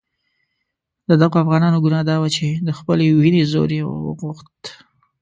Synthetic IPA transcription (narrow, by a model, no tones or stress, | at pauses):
d̪əd̪aɣoafɣɑnɑnoɡunɑd̪ɑwat͡ʃed̪əxpəlewinezo̰ɾjewə̰wə̰ɣuxt̪